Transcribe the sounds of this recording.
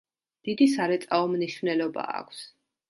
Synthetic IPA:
d̪̥id̪isaɾɛt̪sʼaɔmniʃvnɛlɔba̰ːkʷʰs

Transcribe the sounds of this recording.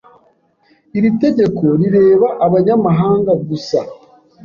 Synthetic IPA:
iɾite̞ɟe̞ko̞ɾiɾe̞ːβaʔaβaɲamaɦaːŋɡaɡusa

